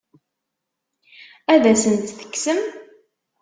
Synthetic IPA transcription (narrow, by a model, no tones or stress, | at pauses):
æðæsənt̪θə̥kːsəm